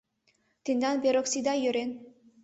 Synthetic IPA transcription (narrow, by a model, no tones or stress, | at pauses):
t̪ind̪ɑnbʲeɾoksid̪ajøɾen